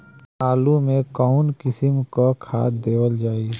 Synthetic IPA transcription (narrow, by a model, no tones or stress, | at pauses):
aːlumẽkɔʊnkɪsɪmkokʰaːt̪̚d̪eːwəld͡ʒaːi